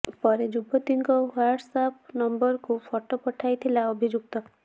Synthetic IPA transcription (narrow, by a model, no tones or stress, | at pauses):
pɔɾed͡ʒubɔt̪iŋkɔwaɾɖsapnɔmbɔɾkufʰɔʈopɔʈʰajt̪ʰilaɔbʱid͡ʒuk̚t̪ɔ